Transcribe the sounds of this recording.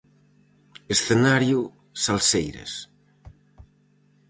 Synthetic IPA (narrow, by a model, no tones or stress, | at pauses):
esθenaɾju | salsejɾḛs